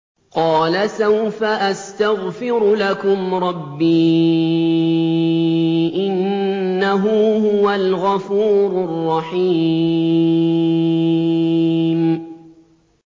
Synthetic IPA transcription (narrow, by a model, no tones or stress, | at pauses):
qɑːlasawfaʔast̪aɣfɪɾʊlakʊmɾˤɑbːiː | ʔɪnːaɦʊhʊwalɣɑfuːɾʊrˤːɑħiː | m